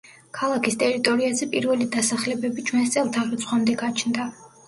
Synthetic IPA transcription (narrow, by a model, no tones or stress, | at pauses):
kʰalˠakʰist̪ʼɛɾit̪ʼɔɾiazɛpʼiɾvɛlid̪asaχlɛbɛbit͡ʃʰwɛnst̪sʼɛlˠt̪ʰaʁit̪sʰʼχwamd̪ɛɡat͡ʃʰnd̪a